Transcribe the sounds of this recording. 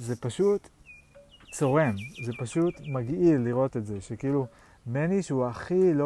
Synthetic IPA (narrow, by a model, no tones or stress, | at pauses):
ze̞paʃut̪ | t͡so̞ʁe̞nze̞paʃut̪maɡʔilːiʁo̞t̪etze̞ʃekiilu | meniʃuaχilo